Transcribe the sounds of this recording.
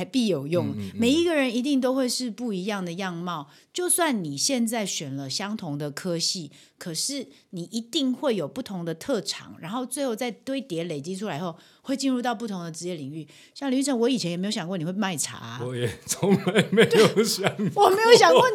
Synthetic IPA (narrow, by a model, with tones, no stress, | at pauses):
pi˥˩jo˨˩ʊjʊ˥˩ŋme˨˩ɪi˧˥ɡə˨ɻə˧˦ni˧˥t̪̬i˥˩ŋt̪̬o˥ʊxwe˥˧ɪʂɻ̩˥˧pu˥˩i˧˥jɑ˥˩ŋd̪ə˩jɑ˥˧ŋmɑ˥˩˨ʊ | t͡ɕjo˥˧ʊswa˥˩nni˨˩ɕjɛ˥˧nt͡sa˥˩ɪɕɥɛ˨˩nlə˦ɕjɑ˥ŋt̪ʰʊ˧˦˥ŋd̪ə˨kʰɤ˥ɕi˥˩ | kʰɤ˨˩ʂɻ̩˥˩ | ni˨˩ʔi˧˥t̪i˥˧ŋxwe˥˩ɪjo˨˩ʊpu˥˩t̪ʰʊ˧˥ŋd̪ə˨t̪ʰɤ˥˩ʈ͡ʂʰɑ̰˨˩ŋɻa˧˥nxo˥˧ʊt͡swe˥ɪxo˥˧ʊt͡sa˥˩ɪt̪we˥ɪt̪jɛ˧˥le˨˩ɪt͡ɕi˦˥ʈ͡ʂʰu˥la˧˦ɪxo˥˧ʊ | xwe˥˧ɪt͡ɕi˥˧nɻu˥˧t̪ɑ˥˧ʊp̬u˥˩t̪ʰʊ˧˥ŋd̪ə˨ʈ͡ʂɻ̩˧˥jɛ˥˩li˨˩ŋy˥˩ | ɕjɑ˥˩ŋly˧˥ʈ͡ʂʰə˧˥ŋwɔ˧˥i˨˩t͡ɕʰɛ˦njɛ˨˩m˧˥jo˧jɑ˨ŋkwn˨˩we˥˩˧ma˥˩ɪʈ͡ʂʰa̰˧˥ɔ˨˦jɛ˨˩t͡sʰo˧˦ŋla˧˦ɪme˧˨˦ɪjo˨˩˨ʊɕɑ˧˦ŋwɔ˨me˧˥jo˧˥ʊɕjɑ˨ŋkw